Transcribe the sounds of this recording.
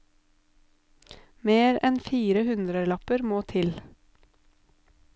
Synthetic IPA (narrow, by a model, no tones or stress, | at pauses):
meːɾɛnfiːɾəhʉnd̪ɾəlɑpəɾmoːt̪ʰɪl